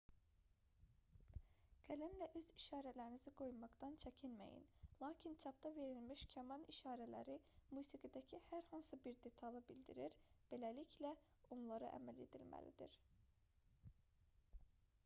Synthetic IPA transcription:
ɡ̥ʰælæmlæʔøziʃɑːɾælæɾiniziɡo̞jmɑɡd̪ɑnt͡ʃʰæcʰinmæ̰jḭnlˠɑːcʰint͡ʃʰɑp̚d̪ɑve̞ɾilmiʃcʰæmɑniʃɑːɾælæ̰ɾimuːsiɡid̪æcʰihæɾhɑnsɯbiɾd̪e̞t̪ʰɑlˠɯbild̪iɾiɾb̥e̞læliclæ | onlˠɑɾɯʔæ̰mæle̞̰d̪ḭlmæ̰lḭd̪ḭɾ̥

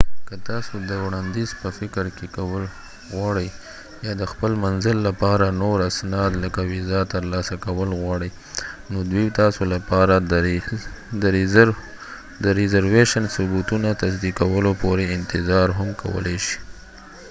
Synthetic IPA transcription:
kət̪ɑsod̪əwɽɑnd̪izpəfɪkɾkekawəl | ɣwɑɽəj | jɑd̪əxpəlmanzəlːapɑɾanoɾasnɑd̪ləkawɪzɑt̪əɾlɑsakawəlɣwɑɽəj | nod̪wit̪ɑsolapɑɾa | d̪əɾ | d̪əɾɪzaɾweʃənsʊbut̪unat̪azd̪ikawəlopoɾeɪnt̪ɪzɑɾɦamkʰawə̰leʃi̥

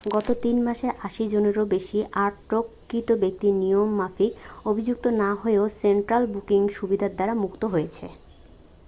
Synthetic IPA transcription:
ɡɔt̪ot̪inmaʃeʔaʃid͡ʑoneɾobeʃiʔaɾʈɾokːit̪obek̚t̪inijomːafiobʱid͡ʑuk̚t̪onaɦoeoseɳʈɾalbukiŋʃubid̪ʱaɾd̪aɾamukt̪oɦojet͡ɕʰḛ

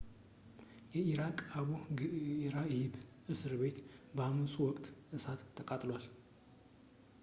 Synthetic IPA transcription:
jɛiɾakʼaβu | ɾajhɪbʔɨsɨɾβe̞t̪bəamɨsuwɔkʼt̪ʼʔɨsat̪ʰːəkʼat̪ʼlwal

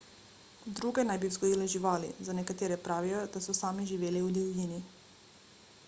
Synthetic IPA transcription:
d̪ɾuɡɛnajbivzɡoilɛʒiʋalḭzanekat̪ɛɾɛpɾaʋijod̪asusaːmiʒiʋeliud̪ɛvʎʲini

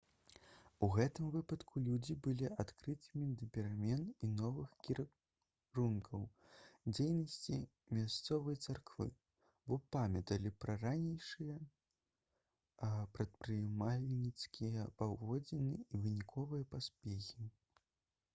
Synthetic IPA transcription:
uɣɛt̪ɨmvɨpɐt̪kʰulʲud͡zʲibɨlʲiʔat̪kɾɨt̪ɨmʲid̪ɐpʲɛɾamʲɛninɔvɨxkʲi | ɾunkʰɐw | d͡zʲejnɐsʲt͡sʲi | mʲast̪sɔvɐjt̪sarkvɨ̰ | bɔpamʲɐt̪ɐlʲipɾɐranʲejʂɨjɐ | pɾɐt̪̚pɾɨjmalʲnʲit̪skʲʰijɐpavɔd͡zʲɛnɨivɨnʲikʰɔvɨjɐpasʲpʲɛxʲi

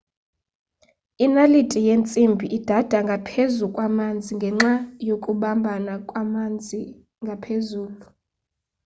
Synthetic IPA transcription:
inalitʼijent͡sʼimbʱiʔid̥ʱad̥ʱaŋɡʱapʰezukʼwamand͡zʱiŋɡʱɛŋ͡ǁajokʼuɓambʱanakʼwamnd͡zʱi | ŋɡʱapʰezuːlu

